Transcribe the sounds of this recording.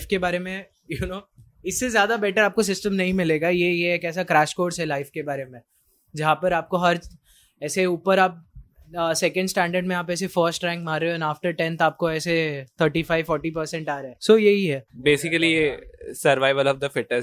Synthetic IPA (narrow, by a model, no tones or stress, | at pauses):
fkebaːɾemẽ | junoː | ɪsːezjaːd̪abɛːʈəɾaːp̚kos̬ɪsʈəmnɐɦĩmɪleːɡajejeeːkɛːs̬akɾaːʃkoːɖsɦɛlaɪfkebaːɾemẽ | d͡ʒɐɦãpɐɾaːp̚koɦɐɾ | ɛːseuːpəɾaːp̚ː | sɛkə̃ɳɖsʈɛ̃ːɳɖəɾɖmẽaːpɛːsefəːɾsʈɾɛ̃ːŋkmaːɾeoɛ̃naːfʈəɾʈɛ̃nt̪aːp̚koɛːset̪ʰəɾʈifaːɪʋfɔːɾʈip̬əɾsɛ̃ɳʈaːɾaɛsojɐɦiɦɛːbeːsɪkəliesɐɾʋaːɪʋəlɔːʋd̪əfɪʈə